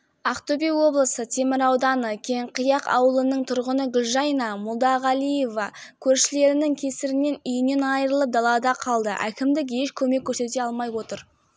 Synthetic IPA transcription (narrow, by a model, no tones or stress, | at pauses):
ɑqt̪obijwo̞blˠəsət̪ʰe̞mɪɾɑwd̪ɑnəkʲʰe̞ɴqʰəjɑqɑ̰wəlˠənəɴt̪ʰʊɾʁənəɡʲʏlʲʒɑjnɑmʊlˠd̪ɑʁɑlˠije̞vɑ | kʲʰɵɾʃɪle̞ɾɪnɪŋkʲʰe̞sɪɾɪne̞nʏjɪne̞nɑjəɾəlˠəp̚d̪ɑlˠɑd̪ɑqʰɑlˠd̪ə̰ʔæ̰kʲɪmd̪ɪk̬e̞ʃkʲʰɵme̞kʲʰːɵɾse̞t̪e̞ɑlˠmɑjwo̞t̪əɾ